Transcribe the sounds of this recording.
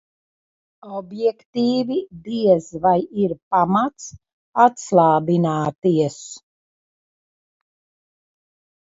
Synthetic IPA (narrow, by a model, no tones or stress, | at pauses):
ɔbjɛkt̪iːvid̪iɛzvajiɾpamat̪s | at̪slˠaːbinaːt̪iɛs